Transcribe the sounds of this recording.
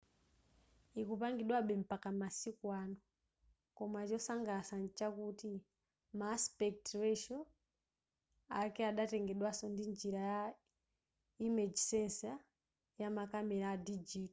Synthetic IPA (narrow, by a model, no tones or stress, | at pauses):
ikupaŋɡiɗwaɓɛm̩pakamasikwanɔ | kɔmat͡ʃɔsaŋɡasant͡ʃakuti | maspɛk̚twɛʃɔ | akɛaɗatɛŋɡɛɗwasɔndind͡ʒiɾaja | imɛd͡ʒisɛnsa | jamakamɛɾadid͡ʒiti